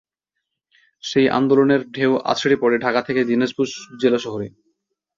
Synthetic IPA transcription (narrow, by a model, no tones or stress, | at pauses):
ʃejʔa̰nd̪oloneɾɖʱewʔa̰t͡ɕʰeɽipɔɾeɖʱakat̪ʰeked̪ineʃbuʃd͡ʑelaʃɔɦoɾi